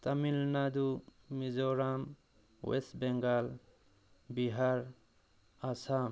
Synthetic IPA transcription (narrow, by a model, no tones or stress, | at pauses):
t̪amilnad̪umizɔɾam | wḛsbɛŋɡal | biɦaɾ | asam